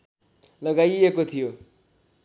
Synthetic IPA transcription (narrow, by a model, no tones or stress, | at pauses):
lʌɡajekot̪ʰijo